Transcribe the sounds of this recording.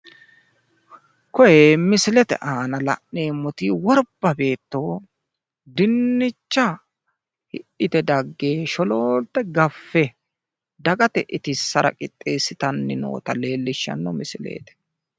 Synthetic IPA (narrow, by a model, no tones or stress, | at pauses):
kɔjeːmɪsɪlɛt̪ɛ̰ʔaːnɐlɐ̰ʔneːmɔt̪iːwɔɾbːɐbe̞ːt̪ːo̞ː | d̪ɪnːɪt͡ʃːɐ | hɪʔɪt̪ɛd̪ɐɡːeːʃɔloːlt̪ːɛɡɐfːɛ | d̪ɐɡɐt̪ɛʔɪt̪ɪsːɐɾɐ̰kʼɪt̪ʼːeːsːɪt̪ɐnːɪno̰ːt̪ɐle̞ːlːɪʃːɐ̰nːɔmɪsɪlḛːt̪ɛ̥